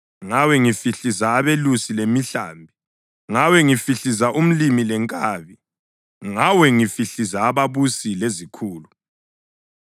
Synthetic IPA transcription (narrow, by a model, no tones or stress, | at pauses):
ŋawɛŋifiɬizaːβelusilemiɬa̰ːmbʱi | ŋawɛŋifiɬizaʔum̩limilɛŋkʼaβi | ŋawɛŋifiɬizaːβaβusilezikʰuːlu